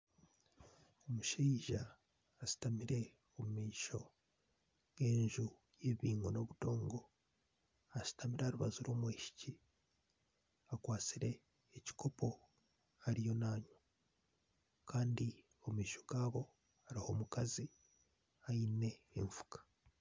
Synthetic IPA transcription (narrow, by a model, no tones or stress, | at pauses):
o̞muʃiːʒaː | si̥tamiɾe̞ | o̞mumiːʃo̞ | ɡe̞ːɲʒu | je̞βiːŋɡo̞no̞βuto̞ːŋɡo̞ | asi̥tamiɾaɾuβazuɾoːmwiːʃi̥ci | akwaːt͡siɾe̞ː | ci̥ko̞po̞ | aɾijo̞naːɲo | kaːndi | o̞mumiːʃo̞ɡaːβo̞ | aɾiho̞ːmukazi | ajine̞ːɱvu̥kḁ